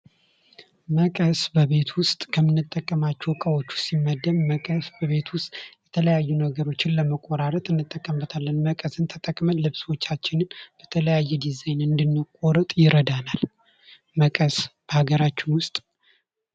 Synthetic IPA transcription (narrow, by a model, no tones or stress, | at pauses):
məkʼəsbəβe̞t̪ʰwʊst̪ʼkʰəmːɨnːɨt̪ʼːəkʼːəmat͡ʃːɛwkʼəwot͡ʃːu̥simːəd̪ːəmməkʼəsbəβe̞t̪wʊst̪ʼjɛt̪ʰələjajːunəɡəɾot͡ʃːɪnləməkʼːoɾaɾət̪ʼɨnːɨt̪ʼːəkʼːəmbət̪ʰalːənməkʼəsɨnt̪ʰət̪ʼəkʼmənlɨβswo̞t͡ʃːat͡ʃːɪnɨnb̥ət̪ʰələjajːɛd̪izajnɨnd̪ɨnːɨkʼoɾət̪ʼjɪɾəd̪anal | məkʼəsb̥əhaɡəɾat͡ʃːɪnwʊst̪ʼ